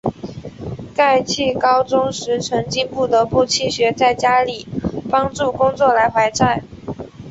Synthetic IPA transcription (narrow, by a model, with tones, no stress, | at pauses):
ka˥˧ɪt͡ɕʰi˥˩kɑ˥ʊʈ͡ʂʊ˥ŋʂɻ̩˧˥ʈ͡ʂʰɤ˧˥ŋt͡ɕi˥pu˥˩t̪ɤ˧˥pu˥˩t͡ɕʰi˥˩ɕɥɛ˧˥t͡sa˥˩ɪt͡ɕja˥li˨˩pɑ˥ŋʈ͡ʂu˥˩kʊ˥ŋt͡swɔ˥˩la˧˥ɪxwa˧˥ɪʈ͡ʂa˥˩ɪ